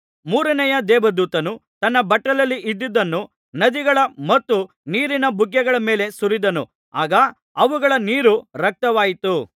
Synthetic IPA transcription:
muːɾɐnɛjɐd̪ɛːbɐd̪uːt̪ɐnut̪ɐnːɐbɐʈːɐlɐlːiʔid̪ːid̪ːɐnːu | nɐd̪iɡɐɭɐmɐt̪ːu | niːɾinɐbʱuɡjɛɡɐɭɐme̞ːle̞suɾid̪ɐnṵ | aːɡɐ | ɐʋuɡɐɭɐniːɾuɾɐk̚t̪ɐʋaːjit̪u

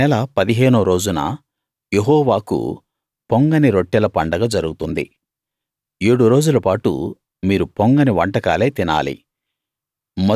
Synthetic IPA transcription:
ɛlɐpɐd̪iɦeːnuːɾo̞ːd͡ʒunɐ̰ | jeɦɔːʋaːkṵ | poŋɡɐniɾoʈːɛlɐpɐɳɖɐɡɐd͡ʒɐɾuɡut̪und̪ḭ | eːɽuɾo̞ːd͡ʒulɐpaːʈṵ | miːɾupoŋɡɐniʋɐɳʈɐkaːleːt̪ina̰ːlḭ | mɐ

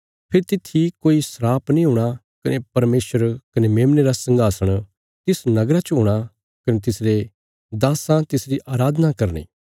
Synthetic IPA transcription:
pʰɪɾt̪ɪt̪ʰːikoːisɾaːpnĩɦʊːɽ̃a | kɐnʔepɐɾmeːsʋəɾkɐnemeːmneɾasɐ̃ŋɡʱaːsəɽ̃ | t̪ɪsnɐɡɾat͡ʃɦoːɽ̃a | kɐnet̪̬ɪsɾe | d̪aːsãt̪ɪsɾiʔaːɾaːd̪ʱnakɐɾnḭː

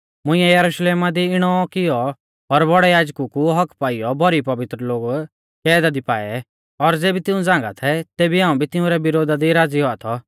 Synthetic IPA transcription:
mʊ̃ɪ̃jɛjɐɾuʃleːmad̪iɪɽ̃ɔkɪjɔ | ɔɾbɔɽɛjaːd͡ʒkukuɦɐkʰpaːɪjɔbʱɔɾipɐʋɪt̪ɾəloːɡ | kɛːd̪ad̪ipa̰ːɛ̰ | ɔɾd͡zeːbit̪ɪũd͡zãːŋ̆ɡa̰t̪ʰɛt̪eːbiɦãːũbʱit̪ɪʊ̃ɾɛbɪɾoːd̪ad̪iɾaːd͡ziɦɔat̪ʰɔ

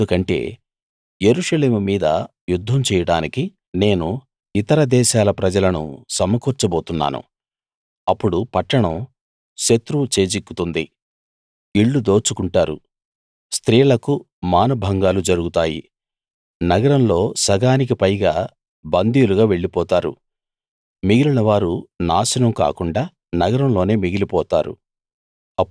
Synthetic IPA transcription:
d̪ukɐɳʈe̞̰ː | je̞ɾuʂɐle̞ːmumiːd̪ɐ̰ | jud̪ʱːɐmt͡ʃɛːjɐɽaːniki | ne̞ːnu | it̪ɐɾɐd̪ɛːʃaːlɐpɾɐd͡ʒɐlɐnṵsɐmɐkuːɾt͡ʃɐboːt̪unːa̰ːnṵ | ɐpːuɽupɐʈːɐɳɐm | ʃet̪ɾut͡ʃe̞ːt͡ʃikːut̪und̪i | iɭːud̪o̞ːt͡ʃukuɳʈaːɾṵ | st̪ɾiːlɐku | maːnɐbʱɐŋɡaːlud͡ʒɐɾuɡut̪aːjḭ | nɐɡɐɾɐmlo̞ːsɐɡaːnik̬ipɐjɡaː | bɐnd̪ʱijuluɡaːʋe̞ɭːipɔːt̪aːɾṵ | miɡilunɐʋaːɾunaːsɐnɐmka̰ːkuɳɖaː | nɐɡɐɾɐmlo̞ːne̞ːmiɡilipɔːt̪aːɾṵ | ɐ

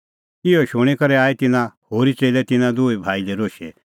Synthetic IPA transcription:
kɪɔʃʊɽ̃ekɐɾɛaːet̪ɪnãhoːɾit͡seːlɛt̪ɪnãd̪uːebʱaːilɛɾoːʃɛ

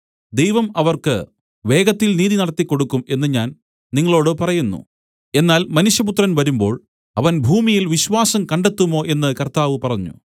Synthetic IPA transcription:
d̪e̞jʋɐmɐʋɐrkɨ̰ | ʋe̞ːɡɐt̪ːilniːðinɐɽɐt̪ːikːo̞ɽukːume̞nːɨɲaːn | niŋːɐɭo̞ːɽɨpɐrɐjunːṵ | e̞nːaːlmɐnuɕjɐput̪rɐnʋɐɾumbo̞ːɭ | ɐʋɐnbʱuːmijilʋiɕʋaːsɐmkɐɳɖet̪ːumo̞ːʔe̞nːɨkɐrt̪aːʋɨpɐrɐɲːṵ

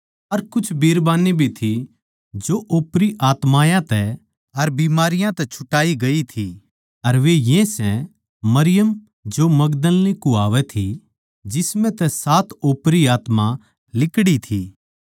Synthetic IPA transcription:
ɐɾkʊt͡ʃʰbeːɾbaːnibʱit̪ʰi | d͡ʒoʔoːpɾiʔaːt̪maːjãt̪ɛ | ɐɾbiːmaːɾɪjãt̪ɛt͡ʃʰʊ̥ʈaːiɡɐit̪ʰi | ɐɾʋejɛ̃sɛ̃ | mɐɾɪjəm | d͡ʒomɐɡd̪əlnikuaːʋɛt̪ʰi | d͡ʒɪsmɛ̃t̪ɛsaːt̪ʰoːpɾiaːt̪ma | lɪkɽit̪ʰiː

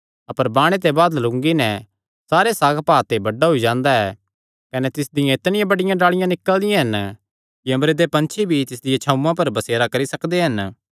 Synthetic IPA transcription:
ɐpəɾbaːɽ̃et̪̬ebaːd̪lʊ̃ŋɡinɛ | saːɾesaːɡpaːt̪ebɐɖaɦʊid͡ʒãːnd̪aɛː | kɐnɛt̪ɪsd̪ɪjãɪt̪nɪjãbɐɽɪjãɖaːɭɪjãnɪkːəld̪ɪjãɦɐn | kiɐ̃mbɾed̪epɐ̃nt͡ʃʰibʱit̪ɪs̬d̪ɪjãt͡ʃʰɐːʊ̃mːãpɐɾbɐseːɾakɐɾisɐkd̪eɦɐn

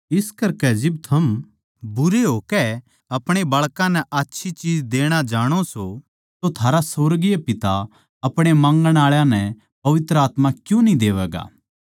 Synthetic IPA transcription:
ɪskɐɾkɛd͡ʒɪbt̪ʰɐm | bʊɾeɦoːkɛ | ɐpɽ̃ebɐɭkãnɛʔatːʃʰit͡ʃiːd͡ʒd̪eːɽ̃ad͡ʒaːɽ̃oso | t̪ot̪ʰaːɾasoːɾɡɪjapɪt̪a | ɐpɽ̃emãːŋɡəɽ̃aːɭjãnɛ | pɐʋɪt̪ɾəaːt̪makjũnĩd̪eːʋɛːɡa̰ː

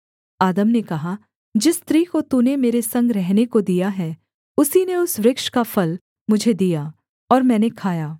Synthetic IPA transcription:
aːd̪əmnekɐɦa | d͡ʒɪst̪ɾiːkot̪unemeːɾesɐ̃ŋɡɾɛɦnekod̪ijaɦɛː | ʊsineʊsʋɾɪkʃkafɐl | mʊd͡ʒʱed̪ijaː | ɔːɾmɛ̃ːnekʰaːjaː

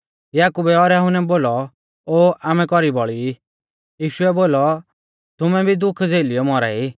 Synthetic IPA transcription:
jaːkubɛɔɾjaɦʊnɛboːlɔ | oːʔaːmɛ̃kɔɾibɔɭii | jiːʃʊɛboːlɔ | t̪ʊmɛbʱid̪ʊkʰd͡zeːliɔmɔɾa̰ːi

